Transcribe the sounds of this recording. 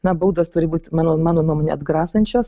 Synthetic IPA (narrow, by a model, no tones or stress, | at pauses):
nɐbuːd̪oːst̪ʊɾʲɪbuːt̪ʲmɑːnoːmɑːnoːnuɔmoːnʲḛɐd̪ɡɾɑːsɐnʲt͡ʃʲoːs